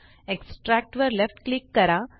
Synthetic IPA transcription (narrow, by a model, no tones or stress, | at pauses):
eksʈɾæk̚ʈʋəɾlefʈklikːəɾa